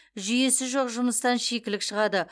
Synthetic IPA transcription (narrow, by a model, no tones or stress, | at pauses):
ʒʏje̞sɪʒo̞qʒʊməst̪ɑnʃe̞kʲɪlɪkʃəʁɑd̪ə